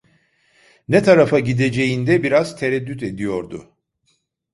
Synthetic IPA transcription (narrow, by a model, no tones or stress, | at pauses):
nɛt̪ʰaɾafaɟid̪e̞d͡ʒe̞jind̪ɛbiɾaz̥t̪ʰeɾɛd̪ːyt̪e̞d̪ijo̞ɾd̪ʊ̰